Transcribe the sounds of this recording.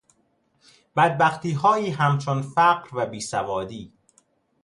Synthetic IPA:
b̥æd̪̚bæxt̪ʰiːɦɒːjiːɦæmt͡ʃʰonfæɢɾvæbiːsævɒːd̪iː

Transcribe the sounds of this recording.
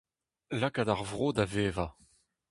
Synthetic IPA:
lakad̪aʁvʁoːd̪aveːva

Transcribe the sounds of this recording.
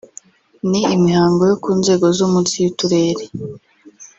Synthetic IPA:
niimihaːŋɡo̞jokuːnze̞ːɡo̞zumusijutuɾeːɾe

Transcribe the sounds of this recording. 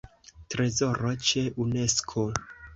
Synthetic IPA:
tɾezoɾot͡ʃe̞ʔune̞skʰo

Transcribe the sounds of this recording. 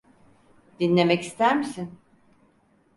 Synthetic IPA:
d̪̥inʲe̞mɛcist̪ʰæɾmisin

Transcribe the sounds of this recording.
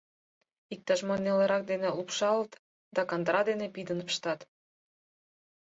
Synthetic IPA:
ik̚t̪ɑʃmɑnːeləɾɑk̚d̪enĕlupʃɑlət̪ | d̪ɑkɑnd̪ɾɑd̪enepid̪ənpə̥ʃt̪ɑt̪

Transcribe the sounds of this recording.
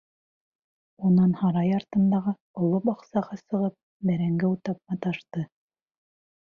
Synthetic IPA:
unɑnhɑɾɑjɑɾt̪ɤ̆nd̪ɑʁɤ | ŏlˠopɑqsɑʁɑsɤ̆ʁɤp̚ | bæɾæŋɡæwt̪ɑp̚mɑt̪ɑʃt̪ɤ

